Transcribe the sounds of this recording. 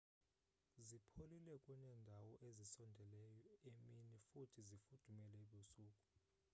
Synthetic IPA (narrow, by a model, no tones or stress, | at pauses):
zipʰolilɛkʼuɲɛndʱawɔʔezisɔndʱɛlɛjɔeminifutʰizifud̥ʱumɛlɛɓusuːkʼu̥